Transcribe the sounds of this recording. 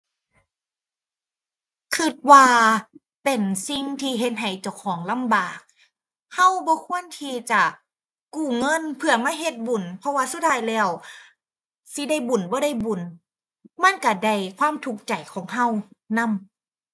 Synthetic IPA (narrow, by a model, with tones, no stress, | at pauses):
kʰɯ˧˩t̪̚waː˧ | pe˨˩nsi˧˩ŋt̪ʰiː˧ɦe˧˦t̪̚ɦa˨˩jt͡ɕa˧˩wkʰɔː˨˩˦ŋla˧˥˨mbaː˨˩k̚ | ha˧˥˨wbɔː˧˦kʰu˧˥˨ənt̪ʰiː˧t͡ɕa˧˩ | kuː˧˩ŋɤ˧˥˨npʰɯ˧ɐmaː˧˥˨ɦe˧˦t̪̚bu˨˩npʰɔ˧waː˧su˧˦t̪̚ʰaː˧˩jlɛː˧˩˨w | si˧˦da˧˩jbu˨˩nbɔː˧˦ɾa˧˥˨jbu˨˩n | ma˧˥˨nka˧˩da˧˩jkʰwaː˧˥˨mt̪ʰu˨˧˩k̚t͡ɕa˨˩jkʰɔː˨˦ŋɦa˧˥˨wna˧˥˨m